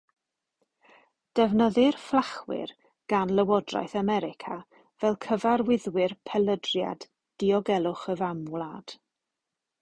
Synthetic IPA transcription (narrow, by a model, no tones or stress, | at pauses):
d̥ɛvnəðɪrflˠaχwɪ̰r | ɡ̥anləwɔdra̰jθamɛɾɪkʰa | vɛlˠkʰəvaɾwɪðwɪrpʰɛlˠədrja̰d | d̥iɔɡɛlˠʊχəvamlaːd̥